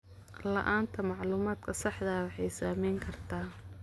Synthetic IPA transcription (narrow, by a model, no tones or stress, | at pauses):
lɐ̰ʔaːnt̪ʰɐmɑʕluːmaːd̪kʰɐsɑħd̪ɐwɑħɑjsaːmɛjŋkʰɐrt̪ʰaː